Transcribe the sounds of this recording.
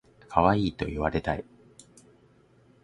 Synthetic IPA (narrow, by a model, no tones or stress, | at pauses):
kʰaβaiːt̪o̞̰iβaɾe̞t̪ai